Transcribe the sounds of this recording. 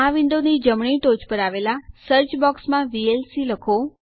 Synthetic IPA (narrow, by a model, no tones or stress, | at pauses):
aʋɪ̃nd̪onid͡ʒəmɳ̃iʈod͡ʒpəɾaʋelasəɾt͡ʃbɔksmãʋielsiləkʰo